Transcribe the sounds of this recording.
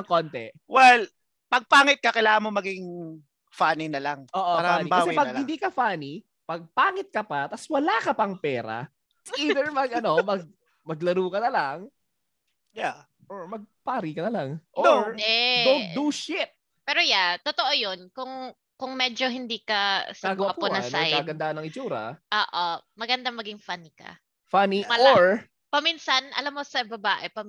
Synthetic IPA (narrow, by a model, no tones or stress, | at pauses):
ɐkont̪ɛ̰wɛl | pɐɡ̚paːŋɪt̪̚kɐkɛlaːmomɐɡɪŋ | faninɐlaŋoːʔoaɾaaniaɐwsɛpɐɡhɪnd̪iːkɐfaːni | pɐɡ̚paːŋɪt̪̚kɐpɐt̪ɐswɐlaːkɐpɐŋpɛːɾɐ̰ | siːd̪ɛɹmɐɡʔɐno̞mɐɡ̚ | mɐɡ̚lɐɾuːkɐnɐlaŋ | ja | ʔoɹmɐɡ̚paːɾikɐnɐlaŋʔod̪ɛd̪ownt̪̚d̪uʃɪt̪̚ | pɛːɾojat̪ot̪oʔojonkʊŋ | kʊŋmɛːd͡ʒoɦɪnd̪iːkɐsaɡɐakuʊnɐnsajaːɡɐnd̪aːʔɐnːɐŋɪt͡ʃuːɾɐ̰ʔoːʔomɐɡɐnd̪amɐɡɪŋfɐnikɐ̰ | fɐniʔmɐloɹ | pɐminsɐnʔɐ̰lamːosɐbɐbaːʔɛpɐm